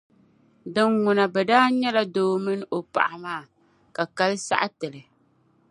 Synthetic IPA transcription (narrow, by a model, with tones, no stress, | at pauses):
dɨ˨ŋːʊ˨na˨bɛ˨daː˦ɲɛ˦la˦doː˦mɨ˦n˦o˨pa̰˨ʔa˨maː˦˨ | ka˨ka˦lɨ˦sa̰˦ʔa˦tɨ˨lɨ˨